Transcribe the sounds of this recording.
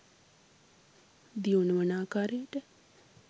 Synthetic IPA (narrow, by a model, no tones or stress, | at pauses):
d̪iunəʋənaːkaːɾeʈə